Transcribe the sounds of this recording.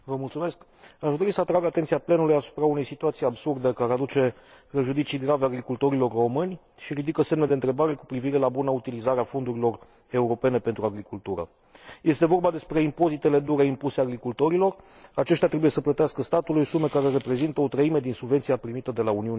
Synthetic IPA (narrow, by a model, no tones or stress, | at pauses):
vəmult̪sume̞sk | aʒd̪o̞ɾisəat̪ɾaɡat̪e̞nt̪sijaple̞nulujasu̥pɾaune̞jsit̪uat̪sijabsurd̪əkaɾead̪ut͡ʃe̞ | ɾeʒud̪it̪sijɡɾaveaɡɾikult̪o̞ɾilo̞rro̞mɨnʲ | ʃiɾid̪ikəse̞mned̪e̞nt̪ɾe̞baɾe̞ku̥pɾiviɾe̞labunəut̪ilizaɾeafo̞nd̪uɾilo̞r | e̞uɾo̞pe̞ne̞pe̞nt̪ɾuaɡɾikult̪uɾə̰ | je̞st̪e̞vo̞rbad̪e̞spɾe̞impo̞zit̪e̞le̞d̪uɾeimpuseaɡɾikult̪o̞ɾilo̞r | at͡ʃe̞ʃ̬t̪eat̪ɾebuje̞səplət̪easkəst̪at̪ulujsume̞kaɾe̞ɾe̞pɾe̞zint̪əo̞t̪ɾəime̞d̪insubvet̪sijapɾimit̪əd̪e̞launiun